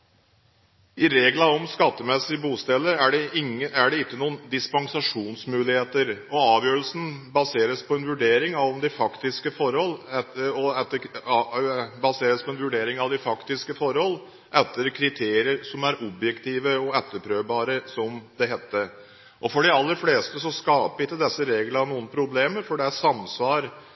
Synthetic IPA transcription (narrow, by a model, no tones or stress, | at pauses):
ɪɾeːɡlɑɔmskɑt̪ːəmɛsːɪbuːst̪ɛlːəæɖɛɪæɖɛɪkːənuːənd̪ɪspɑŋsɑʂuːnsmʉːlɪheːt̪əɾɔɑːʋjøːɾəlsn̩bɑseːɾəspʰɔɛnʋʉɖeːɾɪŋɑʋɔmd̪ɛfɑkt̪ɪskəfɔɾhɔlɛɔɛt̪ːə | bɑseːɾəspʰɔɛnʋʉɖeːɾɪŋɑʋd̪ɪfɑkt̪ɪskəfɔɾhɔlː | ʔɛt̪ːəɾkʰɾɪt̪ʰeːɾɪəɾsɔmæɾɔbjɛkt̪ʰiːʋəɔɛt̪ːəɾpʰɾøːʋbɑːɾəsɔmd̪ɛɦɛt̪ːə | ʔɔfɔɖɪɑlːəɾfleːst̪əsɔskɑːpəɪt̪ːəd̪ɛsːəɾeːɡlɑnuːənpʰɾʊbleːməɾfɔɖɛæʂɑmsʋɑːɾ